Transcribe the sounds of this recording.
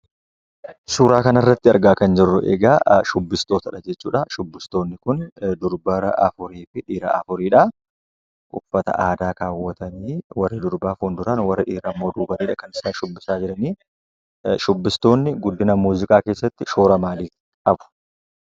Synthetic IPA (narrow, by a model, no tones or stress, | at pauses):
suːɾaːkɐnɐrːɐt̪ːɪɐɾɡaːkɐnd͡ʒɪrːʊʔḛːɡaːʃʊbːɪst̪o̞ːt̪ɐᶑɐd͡ʒɛt͡ʃːuːᶑɐʃʊbːɪst̪o̞ːnːɪkʊnd̪ʊɾbɐɾɐʔɐ̰fʊɾiːfɪᶑiːɾa̰ʔɐfʊɾiːᶑɐ | ʔʼʊfːɐt̪ɐ̰ʔaːd̪aːkaːwːɐt̪ɐmiːwɐrːɪd̪ʊɾbaːfuːnd̪ʊɾɐnwɐrːɪᶑiːɾɐːmːo̞ːd̪uːbɐniːᶑɐkɐnɪsaːʃʊbːɪsaːd͡ʒɪɾɐniː | ʃʊbːɪst̪o̞ːnːɪɡʊd̪ːɪnɐmuːzɪkʼaːke̞ːsːɐt̪ːɪʃoːɾɐmaːliː | ɐbʊ̥